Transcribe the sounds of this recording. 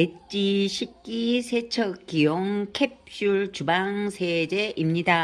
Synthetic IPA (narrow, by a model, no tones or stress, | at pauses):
et͡ɕ͈iɕʰik̚k͈isʰet͡ɕʰʌkk͈ːijoŋkʰepʰɕuɭt͡ɕubaŋsʰed͡ʑe̞ʔimɲida